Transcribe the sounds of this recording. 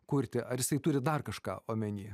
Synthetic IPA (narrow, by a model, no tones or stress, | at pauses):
kuːɾʲt̪ʲɪʔɐɾjɪsɐɪt̪ʊːɾʲɪd̪ɐrkɐʃkɑ̰ːʔoːmʲɛnʲiː